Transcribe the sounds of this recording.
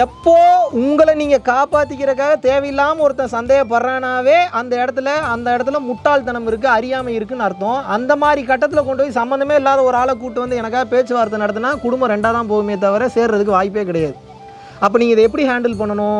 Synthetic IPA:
ɛpːoːʊŋɡɐɭɐniːŋɡɐkaːpaːʈ̪ːɯkʲːɪɾɐkːaːɣɐt̪eːʋɐjɪlːaːmɐɔɾɯt̪ːɐ̃sɐnd̪eːɣɐpːɐrːaːnaːʋeːʔɐnd̪ɐɛɽɐt̪ːɯlɐɐnd̪ɐɛɽɐt̪̬ːɯlɐmʊʈːaːlt̪ɐnɐmɪɾɯk̬ːɯɐɾɪjaːmɐɪɾɯkːɯnɐɾɯt̪ːõɐnd̪ɐmaːðɾikɐʈːɐt̪ːɪlɐkɔɳɖɯpoːjisɐmbɐnd̪ɐmeːɪlːaːðɐɔɾaːɭɐkuːʈːɯʋɐnd̪ɯɛnɐkːaːɣɐpeːt͡ʃːɯʋaːɾt̪ːɯnɐɽɐt̪̬ːɯnːaːkʊɽʊmbɐ̃ɾɛɳɖaːðãːpoːɣɯmeːt̪̬ɐʋɐɾɐseːɾɾɐðɯkːɯʋaːjɪp̬ːeːkɪɽɐjaːðɯ | ɐp̬ːoːniːŋɐɪðɐɛpːɐɽiɦaːɳɖɐlpɐɳːɐnʊ̃ː

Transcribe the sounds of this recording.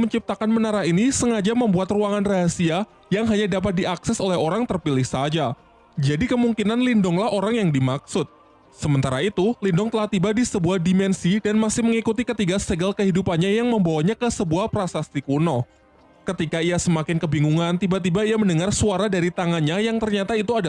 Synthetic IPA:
məɲt͡ʃip̚t̪akanmənaɾaɦinisəŋad͡ʒaməmbuat̪ruaŋanraɦasia | jaŋɦaɲadapat̪̚diaksɛsolɛɦoɾaŋt̪ərpilɪhsad͡ʒa | d͡ʒadikəmuŋkinanlindɔŋlahoɾaŋjaŋdimaksʊt̪̚ | səmənt̪aɾait̪ulindɔŋt̪əlaht̪ibadisəbuahdimɛnsidanmasɪhməŋikut̪ikət̪iɡast̪əɡalkəɦidupanɲajaŋməmbawaɲakəsəbuahpɾasast̪ikunɔ | kət̪ikaijasəmakɪnkəbiŋuŋant̪ibat̪̬ibaijaməndəŋarsuaɾadaɾit̪aŋanɲajaŋt̪ərɲat̪ait̪uada

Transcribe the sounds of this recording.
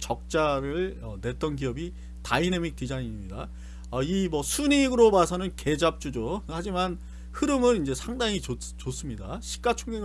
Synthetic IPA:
t͡ɕʌk̚t͡ɕ͈aɾɯɭʌne̞ɭt͈ʌnɡiʌbi | tainemik̚t͈id͡ʑaiɲimɲida | ʌimʌsʰuɲiɡɯɾobasʰʌnɯnke̞d͡ʑap̚t͡ɕ͈ud͡ʑohad͡ʑiman | hɯɾɯmɯnind͡ʑe̞sʰaŋdaŋio | t͡ɕos͈ɯmɲidaɕʰi̥k͈at͡ɕʰoŋɡeŋ

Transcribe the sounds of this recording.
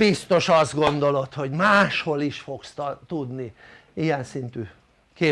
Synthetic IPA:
bist̪o̞ʃɒzd̪ɡo̞nd̪o̞lo̞t̪ho̞ɟmaːʃho̞liʃfo̞kst̪t̪ud̪ni | ijɛnsint̪y | keː

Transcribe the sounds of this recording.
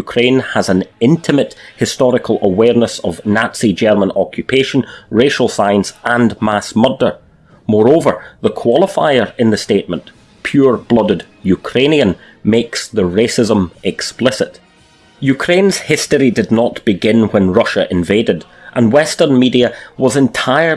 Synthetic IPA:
jʉkʰɹ̥ẽnəzə̃nɪ̃ntʰɪməʔhɪstɔɹɪkʰəl̩ˠʔəwɛɹnəsəvnatsid͡ʒɛɹmə̃nɔkʰjʉpʰeʃə̃nɹeʃəl̩ˠsãɪə̃nsʔə̃nmasmʌdə˞ | mɔɹovə˞ðəkʰw̥ɔlˠɪfa̰ɪə˞ɪ̃nðəsteʔmə̃n | pʰj̥uɹblˠʌdɪd | jʉkʰɹ̥ẽniə̃n | meksðəɹesɪzə̃mɛksplˠɪsɪʔ | jʉkʰɹ̥ẽnz̥hɪstə˞idɨdⁿnəʔb̥ɪɡɪ̃nwə̃nɹʌʃəʔɪ̃ɱvedɪd | ʔə̃nwɛstə̃˞nmidiəwʌzɪ̃ntʰaɪə˞

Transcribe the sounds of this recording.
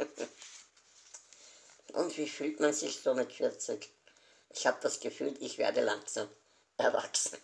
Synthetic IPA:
ʔʊ̰ntv̥iːfyːltmanzɪçsoːmɪtfɪɐt͡sɪk | ʔɪçhaːbəd̥asɡ̥əfyːlɪçv̥ḛɐdəlaŋksam | ʔɛɐva̰ksn̩

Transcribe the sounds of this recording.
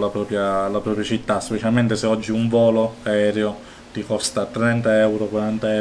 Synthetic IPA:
lapɾɔːpɾjalapɾɔpɾjat͡ʃit̪ːaspet͡ʃalment̪eseɔd͡ʒːiuɱvɔːloaɛːɾeo | t̪ikɔst̪at̪ːɾɛnt̪aɛwɾokwaɾant̪aɛ

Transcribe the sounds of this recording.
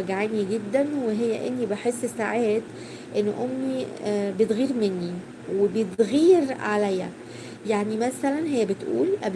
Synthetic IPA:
æɡʕaːniɡed̪ːænweɦejːæʔenːibeħesːsaʕeːd̪ | ʔenːʔomːibet̪ɣiːɾmenːi | webet̪ɣiːɾʕalæjːæ̰ | jaʕnimæsælænɦejːæbet̪ʔṵːlʔæb

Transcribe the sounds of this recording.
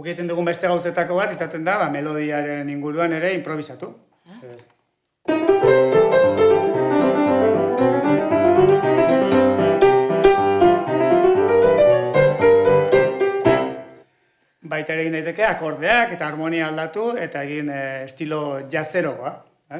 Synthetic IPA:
ukit̪e̞nd̪uɣumbe̞st̪e̞ɣ̞awse̞t̪ako̞β̞at̪isat̪e̞nd̪aβame̞lo̞ð̞iaɾe̞niŋɡuɾuane̞ɾe̞impɾo̞β̞isat̪u | bajt̪aeɾeɣind̪ajt̪e̞ke̞ako̞ɾð̞e̞ake̞t̪aːɾmo̞niaːld̪at̪ue̞t̪aeɣinest̪ilo̞ʝase̞ɾo̞koa | e

